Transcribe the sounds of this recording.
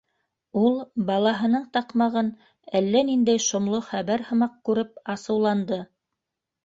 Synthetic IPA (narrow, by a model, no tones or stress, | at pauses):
ulˠbɑlˠɑɦɤ̆nɤɴt̪ɑqmɑʁɤn | ælːænind̪æjʃŏmlˠoχæβæɾhɤ̆mɑq̚kʉɾɘpɑsɤ̆wlˠɑnd̪ɤ